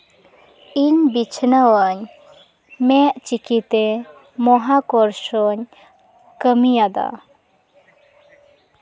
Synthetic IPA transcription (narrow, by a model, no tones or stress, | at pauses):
iɲbit͡ʃʰnəwəɲ | mɛʔt͡ʃikit̪ɛ | mɔɦakɔɾʃɔɲ | kəmijad̪a̰